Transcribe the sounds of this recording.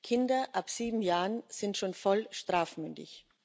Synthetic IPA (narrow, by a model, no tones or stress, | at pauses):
kʰɪndɐʔapz̥iːbm̩jaːʁənz̥ɪntʃoːnfɔlʃtʁ̥aːfmʏndɪ̰ç